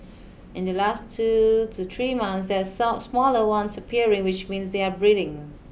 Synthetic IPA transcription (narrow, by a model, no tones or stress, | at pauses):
ɪ̃ndəlastʰːutʰut̪ɹimãnθs̬dɛsasmɔləwãnsəpʰiəɹɪ̃ŋwɪt͡ʃmĩːnsdeabɹiɾɪ̃ŋ